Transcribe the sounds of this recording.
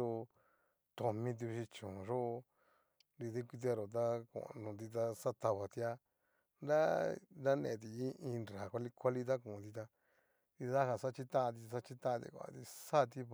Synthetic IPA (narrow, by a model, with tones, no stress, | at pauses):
o˧ | t̪o˧mĩ˧t̪̬i˧ʃi˧t͡ʃõ˨ʐo˦˧ | ɾi˧ðe˦kʷi˧t̪̬i˧a˧ɾo˨t̪̬a˦kõ̰˨˧nũ˧t̪i˧t̪a˧sa˦t̪a˧βa˨t̪i˧a˧ | nɾa˦ɾa˦nḛ̃˨t̪̬i˨i˦ĩ˧nɾɾa˨kʷa˧li˧kʷa˦li˦t̪̬a˦kũ˨˧t̪i˧t̪a˧ | t̪i˧ða˦ha˧sa˦t͡ʃi˦t̪ã˦˧t̪̬i˧sa˦t͡ʃi˦t̪ã˦˧t̪ḭ˧kʷa̰˨t̪i˧sa˦˧t̪i˦